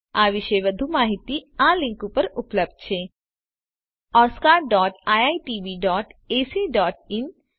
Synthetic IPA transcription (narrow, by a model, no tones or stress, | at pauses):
aːʋɪʃeʋɐd̪ʱumaːɦɪt̪iãːlɪ̃ŋkũpɐɾʊpləb̚d̪̚t͡ʃʰeː | ɔːskaːɾɖɔːʈaːjaːiʈiːʋiːɖɔːʈeːsiɖɔːʈ̚ɪn